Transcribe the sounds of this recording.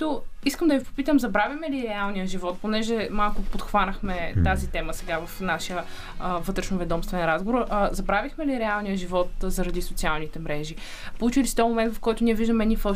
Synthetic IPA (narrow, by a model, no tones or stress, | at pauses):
t̪oiskəmd̪ɐvipo̥pit̪əmzɐbɾavjimɛliɾɛalˠnijəʒivɔt̪̚ponɛʒɛmalˠkʊpot̪xvanɐxmɛt̪azit̪ɛməsɛɡavɐfnaʃijə | vɤt̪ɾɛʃnovɛd̪ɔmst̪vɛnɾazɡovoɾzɐbɾavixmɛliɾɛalˠnijəʒivɔt̪zɐɾɐd̪isʊt̪sialˠnit̪ɛmɾɛʒi | polˠut͡ʃilisit̪ɔmomɛnd̪vɐfkɔjt̪ʊniɛviʒd̪əmɛnʲifɔ